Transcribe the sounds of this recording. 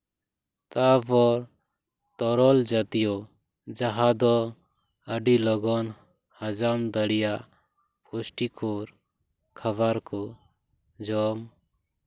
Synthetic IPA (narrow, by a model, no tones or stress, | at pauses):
t̪apɔɾ | t̪ɔɾɔld͡ʒat̪ijɔ | d͡ʒaɦad̪ɔ | əɖilɔɡɔn | həd͡ʒamd̪əɽijaʔ | pusʈikʰɔɾ | kʰəbaɾkɔ | d͡ʒɔm